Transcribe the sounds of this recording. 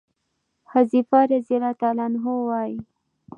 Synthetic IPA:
hazifaɾazilat̪ɑlɑnɦowɑji

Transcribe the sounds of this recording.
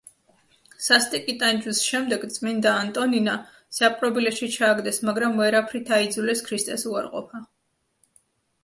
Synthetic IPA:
sast̪ʼikʼit̪ʼand͡ʒusʃɛmd̪ɛɡt̪sʼmind̪aːnt̪ʼɔnina | sapʼɾɔbilɛʃit͡ʃʰaːɡd̪ɛsmaɡɾamvɛɾapʰɾit̪ʰaid̪zulɛskʰɾist̪ʼɛsuaɾqʼɔ̰pʰa

